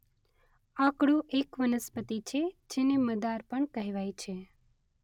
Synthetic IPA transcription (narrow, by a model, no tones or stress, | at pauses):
ãkɽũʔekʋənəspət̪it͡ʃʰed͡ʒeneməd̪aɾpəɳkəɦeʋajt͡ʃʰe